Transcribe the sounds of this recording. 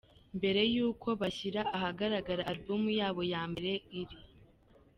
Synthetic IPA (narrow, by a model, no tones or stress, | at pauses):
mbe̞ɾe̞juːkʰo̞βaçiɾaʔaɦaɡaɾaɡaɾaːɾbumujaːβo̞jaːmbe̞ɾe̞iɾi